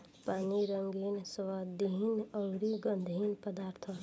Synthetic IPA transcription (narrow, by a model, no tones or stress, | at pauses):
paːniɾəŋɡiːnsʋaːd̪iɦinɔʊɾiɡə̃nd̪ʱinpəd̪aːɾt̪ʰə